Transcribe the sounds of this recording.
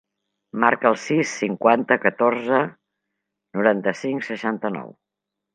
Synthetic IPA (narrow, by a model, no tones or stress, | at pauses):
maɾkəːlˠsisːiŋkwant̪əkət̪orzə | nuɾant̪əsiŋsəʃant̪ənɔ̰w